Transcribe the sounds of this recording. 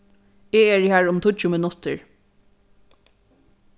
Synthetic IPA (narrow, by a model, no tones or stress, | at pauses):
eɛɹhæːɹʊmt̪ʰʊt͡ʃːʊmɪnʊt̪əɹ